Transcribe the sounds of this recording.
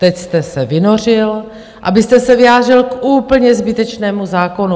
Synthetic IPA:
t̪ɛcst̪ɛsɛvɪno̞r̝ɪl | ʔabɪst̪ɛsɛvɪjaːd̪r̝ɪlkʔuːpl̩ɲɛzbɪt̪ɛt͡ʃnɛːmuzaːko̞nu

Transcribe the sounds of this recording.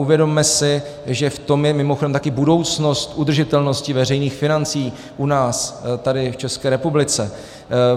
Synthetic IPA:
uvjɛdo̞mːɛsɪ | ʒɛft̪o̞mjɛmɪmoxodɛmt̪akɪbudo̞wt͡sno̞st̪ʔud̪r̩ʒɪt̪ɛlno̞scɪvɛrɛjniːxfɪnant͡siː | ʔunaːst̪adɪft͡ʃɛskɛːɾɛpublɪt͡sɛ

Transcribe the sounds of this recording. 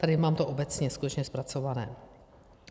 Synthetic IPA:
t̪adɪmaːmt̪oʔo̞bɛt͡sɲɛskut̪ɛt͡ʃɲɛspɾat͡so̞vanɛ̰ː

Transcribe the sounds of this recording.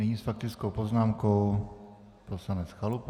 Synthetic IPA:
ɛɲiːsfak̚t̪ɪt͡skowpoznaːmkow | pɾofsanɛt͡sxalup

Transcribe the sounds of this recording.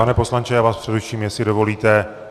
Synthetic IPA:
anɛːpo̞slant͡ʃɛjaːvaːspr̝̥ɛdɛfʃiːmjɛsɪdovo̞liːt̪ɛ

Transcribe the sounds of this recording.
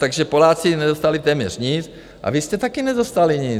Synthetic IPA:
t̪aɡʒɛpolaːt͡sinɛzost̪alit̪ɛːmɲɛr̥ɲit͡s | ʔa̰vist̪ɛt̪akinɛzost̪aliɲɪ

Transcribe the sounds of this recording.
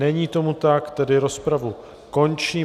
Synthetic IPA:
ɛɲiːt̪o̞mut̪akt̪ɛdɪɾo̞spɾavu | ko̞nt͡ʃiː

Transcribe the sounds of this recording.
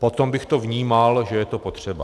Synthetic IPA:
pot̪ombɪxt̪ovɲiːmalʒɛjɛt̪opot̪r̝̥ɛba̰

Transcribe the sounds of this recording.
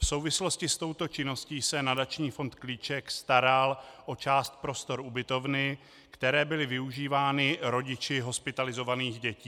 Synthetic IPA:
fso̞wvɪslo̞scɪst̪o̞wt̪o̞t͡ʃɪno̞sciːsɛnadat͡ʃɲiːfo̞nt̪kliːt͡ʃɛkst̪aɾalʔo̞t͡ʃaːst̪̚pɾo̞st̪o̞ɾʔubɪt̪o̞vnɪ | kt̪ɛɾɛːbɪlɪvɪuʒiːvaːnɪɾo̞ɟɪt͡ʃɪɦo̞spɪt̪alɪzo̞vaniːxɟɛciː

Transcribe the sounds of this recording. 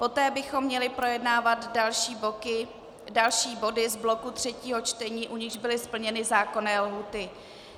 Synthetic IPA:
po̞t̪ɛːbɪxo̞mːɲɛlɪpɾo̞jɛdnaːvat̪dalʃiːbokɪ | dalʃiːbo̞dɪzblo̞kut̪r̥ɛciːɦo̞t͡ʃt̪ɛɲiːʔuɲɪɣʒbɪlɪspl̩ɲɛnɪzaːko̞nɛːlɦuːt̪ɪ

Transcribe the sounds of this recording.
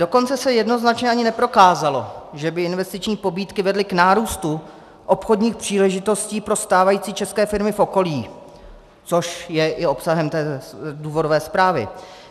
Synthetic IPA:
d̥o̞ko̞nt͡sɛsɛjɛdno̞znat͡ʃɲɛʔaɲɪnɛpɾo̞kaːzalo̞ʒɛbɪɪnvɛst̪ɪt͡ʃɲiːpo̞biːt̪kɪvɛdlɪknaːɾuːst̪u | ʔo̞pxo̞dɲiːxpr̥iːlɛʒɪt̪o̞sciːpɾo̞st̪aːvajiːt͡siːt͡ʃɛskɛːfɪɾmɪfʔo̞ko̞liː | t͡so̞ʃjɛʔɪo̞psaɦɛmt̪ɛːduːvo̞dovɛːspɾaːvɪ̰

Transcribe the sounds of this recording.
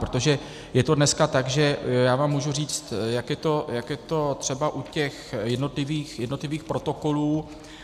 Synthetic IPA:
pɾot̪o̞ʒɛ | jɛt̪o̞dnɛskat̪aɡʒɛjaːvaːmːuːʒuriːt͡st̪jakjɛt̪o̞jakjɛt̪o̞t̪r̥ɛbaʔucɛxjɛdno̞t̪lɪviːxjɛdnot̪lɪviːxpɾo̞t̪o̞ko̞luː

